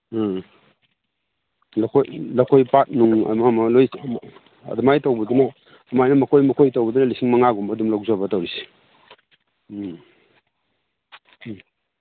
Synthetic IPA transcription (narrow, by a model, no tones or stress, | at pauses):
lɐkʰojlɐkʰojpat̚nuŋ̰mamɐloj | ɐ̰dɐmajtɐwbɐd̪unɐː | majnɐmɐkʰojmɐkʰojtowbɐd̪unɐlisiŋmɐŋaɡumbɐdumlawzabɐtawɾisi̥